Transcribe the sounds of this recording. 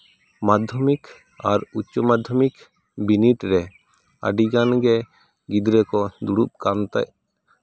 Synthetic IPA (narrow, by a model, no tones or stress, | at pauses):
mad̪ʱɔmik | aɾut͡ʃːɔmad̪ʱɔmik | biniʈɾɛ | əɖiɡanɡɛ | ɡid̪ɾɛkɔd̪uɽup̚kant̪ɛ̰ʔ̚